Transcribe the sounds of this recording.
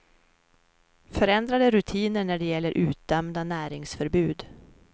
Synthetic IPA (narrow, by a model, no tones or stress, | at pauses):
fœɾɛnd̪ɾad̪əɾɵt̪ʰiːnəɳæɖɛjɛlːəɾʔʉ̟ːt̪̚d̪ɛmd̪anæːɾɪŋsfœɾbʉ̟ːd̪